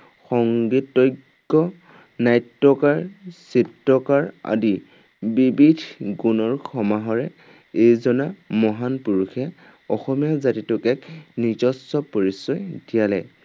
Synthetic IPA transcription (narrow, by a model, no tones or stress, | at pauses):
xɔŋɡitːɔjɡːɔ | najtːɔkaɹsitɹɔkaɹa̰di | bibidʰɡunɔɹxʰɔmaɦɔɹɛ | ejzɔnamɔɦanpuɹuxʰɛ | ɔxɔmijazatitʊkɛknitɔsɔpoɹisɔjdijalɛ̰